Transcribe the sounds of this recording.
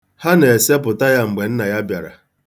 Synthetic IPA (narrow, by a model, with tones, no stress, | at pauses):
ha˦ne˨e˨se˦p̬ʊ˨ta˦ja˦ŋ͡m̩˨ɡ͡be˨n̩˦na˨ja˦bja̰˨ɾa̰˨